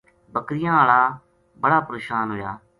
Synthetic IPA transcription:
bəkɾɪjãːaːɭaː | bəɽaːpɾeːʃaːnɦoːjaː

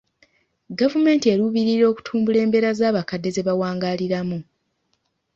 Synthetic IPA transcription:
ɡavume̞ːntie̞ɾuβiɾiɾo̞ːku̥tʰuːmbule̞ːmbe̞ɾazaːβakadːe̞ze̞βawaːŋɡaliɾamu

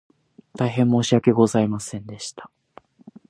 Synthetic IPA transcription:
t̪aiɦẽ̞mːo̞ːɕiake̞ɡo̞zaimasẽ̞nd̪e̞ɕi̥t̪ḁ

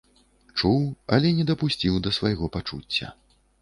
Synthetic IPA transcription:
t͡ʂuwɐlʲɛnʲɛd̪ɐpusʲt͡sʲiwd̪ɐsvajɣɔpat͡ʂṵt͡sʲːɐ̰

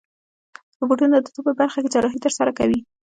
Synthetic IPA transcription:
d̪əbuʈunəd̪ut̪upəbaɾxaket͡ʃɑɾɑɦit̪əɾsaɾakawi

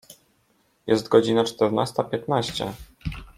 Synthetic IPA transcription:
jɛst̪ɡɔd͡ʑinat͡ʂt̪ɛɾna̰st̪apʲjɛt̪naɕt͡ɕɛ̰

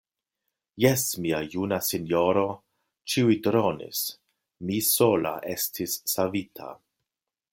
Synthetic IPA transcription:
jɛsmiajunasinjoɾo̞ | t͡ʃiujdɾonḭs | misola̰ʔe̞stʰisːavitʰa̰

